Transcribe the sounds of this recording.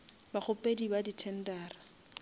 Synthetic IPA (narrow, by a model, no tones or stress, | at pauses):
bak͡xʰʊpʼedibaditʰɛn̩daːra